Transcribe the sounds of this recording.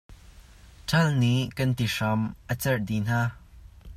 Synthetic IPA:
tʰɐlniʔkɐnt̪iʂɐmʔət͡sɛrdin̥aː

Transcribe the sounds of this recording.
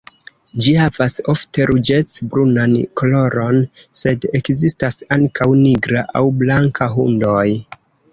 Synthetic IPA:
d͡ʒihavaso̞ftʰe̞ɾʔud͡ʒe̞t͡sbɾunanko̞lo̞ɾo̞n | se̞de̞kzistasaŋkʰawniɡɾaʔa̰wblaŋkʰaɦundoj

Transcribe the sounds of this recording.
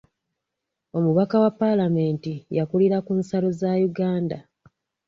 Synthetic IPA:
o̞muβakawapːalame̞ːntijakuliɾakunsalozajuɡaːnda̰

